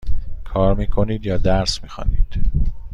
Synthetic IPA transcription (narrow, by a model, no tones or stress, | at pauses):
kʰɒːɾmiːkʰo̞niːd̪jɒːd̪æɾsmiːxɒ̰ːniːd̪̥